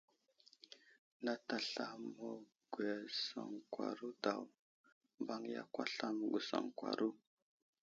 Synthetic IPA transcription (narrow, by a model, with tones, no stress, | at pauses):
na˦ta˨ɬa˦mo˦ | ɡ̥u˨a˨sa˨ŋkwa̰˨ɾu˦da˨w | mba˦ŋja̰˦kwa˦ɬa˦m˨ɡu˨sa̰˨ŋkwa̰˨ɾu˦